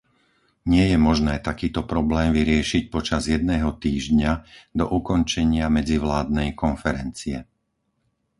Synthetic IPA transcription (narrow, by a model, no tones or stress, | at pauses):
ɲɪɛjɛmɔʒnɛːt̪akiːt̪ɔpɾɔblɛːmʋiɾɪɛʃic̚pɔt͡ʃazjɛd̪nɛːɦɔt̪iːʒɟɲad̪ɔ̰ʔukɔnt͡ʃɛɲɪamɛd͡ziʋlaːd̪̚nɛjkɔnfɛɾɛnt͡siɛ